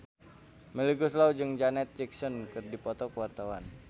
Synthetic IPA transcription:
məliɡuslaud͡ʒɨŋd͡ʒanɛt̪̚d͡ʒik̚sɔnkɨrdipɔt̪ɔkəwart̪awan

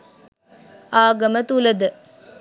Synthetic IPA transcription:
aːɡəmət̪uləd̪ə

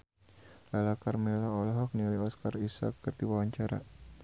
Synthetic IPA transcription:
lalakarmɛlaɔlɦɔk̚niuliɔskarisa̰kːərdiwawaɲt͡ʃaɾa̰

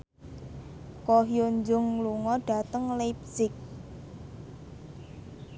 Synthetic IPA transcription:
koɦjoɲd͡ʒʊŋluŋɔɖ̥a̤t̪əŋlejp̚sɪk̚

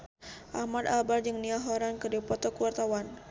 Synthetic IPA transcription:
ʔahmad̪abard͡ʒəŋniaɦoɾankədipɔt̪ɔkuwart̪awan

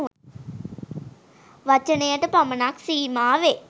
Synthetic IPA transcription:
ʋɐt͡ʃːɐnejaʈːɯpɐmɐnaːksiːmaːʋe

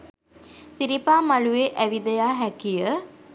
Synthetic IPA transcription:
t̪iɾipaːmalueʔæʋid̪əjaːɦɛkijə

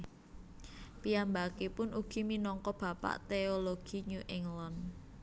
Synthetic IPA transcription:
piambakepʊnʔuɡ̥i̤minɔŋkɔb̥ä̤pa̰ʔt̪eoloɡ̥i̤ɲuʔɪŋlɔn

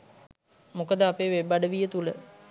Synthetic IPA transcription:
mukəd̪əapeːʋebaɖəʋijət̪ulə

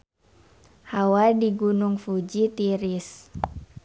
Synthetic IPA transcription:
hawadiɡunuŋfud͡ʒit̪iɾis

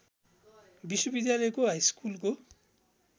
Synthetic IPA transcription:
biʃːobid̪jalɔjkoajskulko

